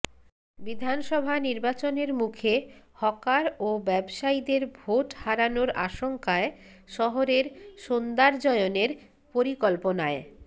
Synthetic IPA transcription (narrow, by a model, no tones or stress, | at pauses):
bid̪ʱanʃɔbʱaniɾbat͡ɕoneɾmukʰehɔkaɾobɛbʃaid̪eɾbʱoʈhaɾanoɾa̰ʃoŋkae | ʃɔɦoɾeɾʃond̪aɾd͡ʑɔeoneɾ | poɾikɔlponae